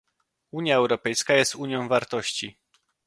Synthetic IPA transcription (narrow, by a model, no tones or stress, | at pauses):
uɲjaɛwɾɔpɛjskajɛst̪uɲjɔ̃w̃vaɾt̪ɔɕt͡ɕi